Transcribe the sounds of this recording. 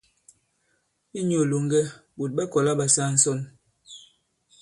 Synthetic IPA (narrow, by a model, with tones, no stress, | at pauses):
i˦ɲo˨lo˨ŋɡɛ˦bo˨t̚ɓa˦kɔ˨la˦ɓa˨sa˦˨n̩˦sɔ˦˨n